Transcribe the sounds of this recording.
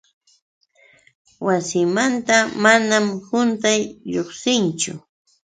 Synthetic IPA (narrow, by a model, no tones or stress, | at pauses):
wasɪmant̪amanamhʊnt̪ajʎoχsɪnt͡ʃʊ̰